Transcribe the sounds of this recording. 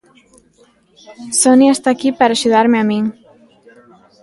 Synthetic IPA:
sɔniaest̪akipəɾaʒuðaɾmeami

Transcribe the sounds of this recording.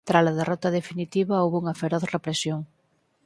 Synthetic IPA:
t̪ɾalaðerʔɔt̪aðefinit̪iβaowβuŋɐfeɾɔθrepɾesjoŋ

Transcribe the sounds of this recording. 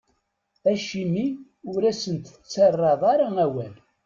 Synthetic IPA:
æʃimi | ʊɾæsənt̪ | t͡sːɑrˤːɑðˤɑɾaæwæl

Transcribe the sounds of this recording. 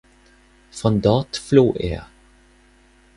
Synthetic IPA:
fʁɔnd̪ɑːt̪floːʔḛː

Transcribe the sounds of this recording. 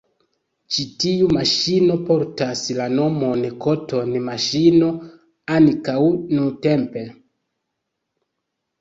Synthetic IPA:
t͡ʃitiumaʃino̞po̞ɾtaslano̞mo̞nkotʰo̞nmaʃino̞ | ankawnute̞mpe̞

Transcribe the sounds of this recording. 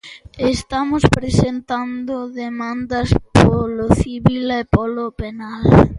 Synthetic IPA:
est̪amʊspɾesent̪and̪ʊðemand̪ɐspoloθiβilepɔlopenal

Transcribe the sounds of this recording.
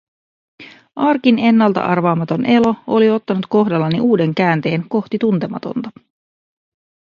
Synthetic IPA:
ʔɑrkine̞nːɑlt̪ɑ̰ʔɑrʋɑːmɑt̪o̞nʔe̞lo̞o̞lio̞t̪ːɑnut̪ko̞ɦdɑlːɑniʔuːde̞ŋkæːnt̪e̞ːŋko̞ht̪it̪unt̪e̞mɑ̰t̪o̰nt̪ɑ

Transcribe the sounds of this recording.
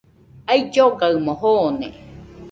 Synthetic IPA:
aid͡ʒoɡaɯmõɦoːnḛ

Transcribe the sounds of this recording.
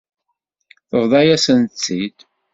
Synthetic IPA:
θəʁðˤɑjæsənt͡sːid̪

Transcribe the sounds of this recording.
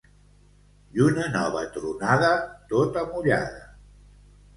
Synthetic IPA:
unənɔβə̰t̪ɾunaðət̪ot̪əmuʎa̰ðə

